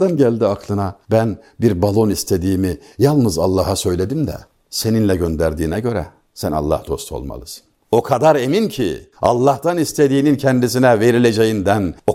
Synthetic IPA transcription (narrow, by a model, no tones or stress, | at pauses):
d̪anɟælʲd̪iakʰlˠɯnabænbiɾbalˠo̞nist̪ʰe̞d̪iːmijalˠnɯza̰lˠːaːɦasø̞jlʲe̞d̪imd̪ɛ̰ | se̞ninlʲɛɟø̞nd̪æɾd̪iːnɛɟø̞ɾɛ̰ | sæna̰lˠːa̰hd̪o̞̰st̪ʰo̞̰lˠma̰lˠɯsɯ̥n | okʰad̪aɾe̞mincʰḭɑ̰lˠːɑht̪anist̪ʰe̞d̪iːnincʰɛnd̪isinɛve̞ɾilʲe̞d͡ʒe̞jind̪æno